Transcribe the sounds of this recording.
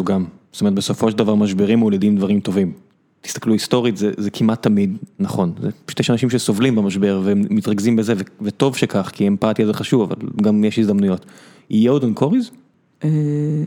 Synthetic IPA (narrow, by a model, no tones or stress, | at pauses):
oɡamz̥ot̪omet̪̚beso̞fo̞ʃeld̪avaʁmaʃ̬beʁimoledimd̪vaʁimt̪o̞vim | t̪i̥st̪akluist̪o̞ʁit̪zezekʰimʔat̪ʰːamid̪naχo̞nzḛʃt̪jeʃanaʃimʃeso̞vlimbamaʃbe̞ʁveemːitʁaɡzimbezeveveto̞vʃekaχkiempatjazeχaʃuvava̰lɡamjeʃhizd̪amnujo̞t̪ | ijeodonkʰoʁiz | e